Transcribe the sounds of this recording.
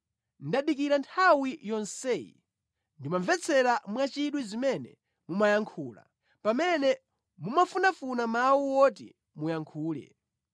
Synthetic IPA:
ndaɗik̬iɾantʰawijɔnsɛːjḭ | ndimaɱvɛt͡sʰɛɾamwat͡ʃiɗwizimɛnɛ̰ | mumajaŋkʰuːla̰ | pamɛnɛ | mumafunafunamawuwɔtḭ | mujaŋkʰuːlɛ̰

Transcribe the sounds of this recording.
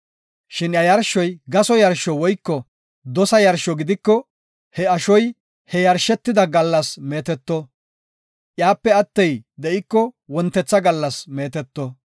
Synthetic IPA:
ʃɪnjɐjɐɾʃɔjɡɐsɔjɐɾʃɔwɔjkːɔ | d̪ɔsɐjɐɾʃɔɡɪd̪ɪkːɔ | hɛɐʃɔj | hɛjɐɾʃɛt̪ːɪd̪ɐɡɐlːɐsme̞ːt̪ɛt̪ːɔ | ʔjaːpːɛɐt̪ːɛjd̪ɛʔɪkːɔwɔnt̪ːɛt͡sːɐɡɐlːɐsme̞ːt̪ɛt̪ːɔ

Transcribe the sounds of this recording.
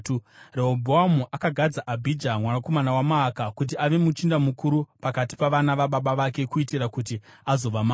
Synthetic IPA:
reobʱoamuʔakaɡʱad͡zaʔabʱid͡ʒamwanako̞manawamaːkakut̬iaʋe̞mut͡ʃindamukuɾupakati̥paʋanaʋaɓaɓaʋake̞kuitiɾakut̬iazo̞ʋamaː

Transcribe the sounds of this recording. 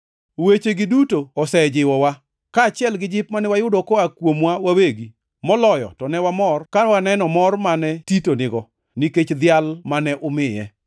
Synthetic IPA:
wet͡ʃeɡɪdutoɔsɛd͡ʒɪwɔwa | kaːt͡ʃɪɛlɡɪd͡ʒɪp̚manɛwajʊdɔkɔakwomwawaweɡi | mɔlɔjɔ̰tɔnɛwamɔrkawanɛnɔmɔrmanɛtitonɪɡɔ | niket͡ʃd̪ɪalmanɛʔʊmɪjɛ

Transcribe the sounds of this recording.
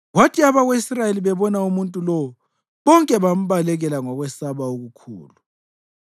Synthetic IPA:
ɣwatʰiaβaɣweisrajeliβɛβɔnaumuntʼulɔu | βɔŋkʼɛβam̩βalɛɣɛlaŋɔɣwɛsaβaoɣukʰṵːlu

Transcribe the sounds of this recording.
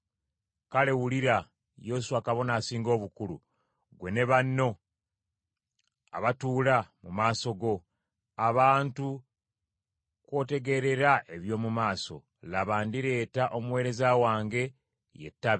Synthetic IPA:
kale̞wuliɾa | jesuakaβo̞naːsiːŋɡo̞ːβukulṵ | ɡwe̞ne̞βanːo̞ | a̰βatuːlamumaːso̞ɡo̞ | aβaːntu | kwo̞ːte̞ɡe̞ɾe̞ɾaʔe̞βjo̞ːmumaːso̞̰ | laβaːndiɾe̞ːtaʔo̞muwe̞ːɾe̞zawaːŋɡe̞ | je̞̰tːaβ

